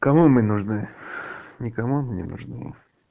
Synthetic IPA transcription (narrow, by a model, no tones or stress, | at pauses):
kɐmumɨnʊʐnɨ | nʲɪkɐmunʲɪ̰nʊ̰ʐnɨ̰